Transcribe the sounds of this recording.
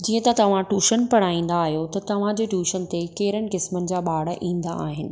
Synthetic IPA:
d͡ʑiːə̃t̪ɐt̪ɐʋ̤ãʈuːʃənpɐɽ̤aːĩːn̆d̪aːɦijot̪ɐt̪ɐʋ̤ãd͡ʑeːʈuːʃənɪ̆t̪ekeːɪɾənɪ̆kɪsmənɪ̆d͡ʑaːɓaːɽəʔĩːn̆d̪aaːɦɪnɪ̆

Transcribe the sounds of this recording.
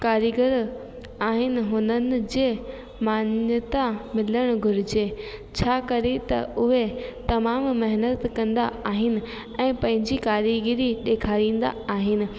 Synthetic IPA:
kaːɾiɡəɾ | aːɦɪnɪ̆ɦʊnənɪ̆d͡ʑeː | maːnjət̪amɪləɽ̃ɡʱʊɾɪd͡ʑeːt͡ɕʰaːkɐɾet̪ɐ̰ʊɦet̪ɐmaːmmɐɦɪnət̪kɐ̃nd̪a̰aːɦɪnɪ̆ | ɛ̃ːpɐ̃ɦɪ̃ɲd͡ʑikaːɾiɡɪɾiɗeːkʰaːɾĩːn̆d̪a̰aːɦɪnɪ̆

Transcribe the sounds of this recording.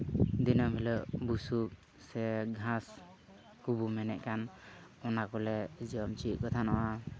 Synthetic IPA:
d̪inabʱiləʔbusuk̚ | sɛɡʱãs | kubumɛnɛʔkanɔnakɔlɛd͡ʒiɔmt͡ʃiʔ̚kɔt̪ʰanaʔa

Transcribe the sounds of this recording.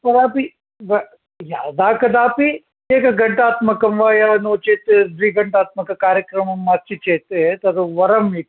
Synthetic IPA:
pɐɾaːpi | ʋɐ | jaːd̪aːkɐd̪aːpi | eːkɐɡɐɳʈaːt̪mɐkɐmʋaːjanoːt͡ʃeːt̪ed̪ʋiːɡɐɳʈaːt̪̚mɐkɐkaːɾjɐkɾɐmɐmːɐt͡ʃit͡ʃeːt̪et̪ɐɾʋɐɾɐmi

